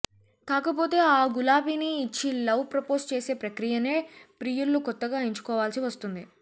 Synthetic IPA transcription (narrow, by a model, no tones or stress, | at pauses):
kaːkɐp̬o̞ːt̪e̞ːaːɡulaːbiniːt͡ʃːilɐwpɾɐpo̞ːst͡ʃe̞ːse̞ːpɾɐkɾijɐneːpɾiːjulːukɔt̪ːɐɡaːiɲt͡ʃu̥kɔːʋaːlsiʋɐst̪und̪i